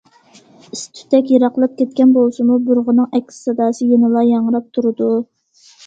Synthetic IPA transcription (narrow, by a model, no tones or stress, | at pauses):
ist̪ʰy̥t̪ɛkʲjeɾɑqlˠɨp̚kʲɛt̪̚kʲɛnbolˠsɨmubuɾʁənɨŋɛkʲʰːssɑd̪ɑːsɨjenɨlˠɑjɑɴəɾɑp̚t̪ʰuɾɨd̪u